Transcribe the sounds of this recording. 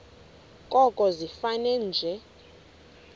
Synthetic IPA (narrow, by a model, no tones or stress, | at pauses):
kʼɔkʼɔzifanɛnd͡ʒʱɛ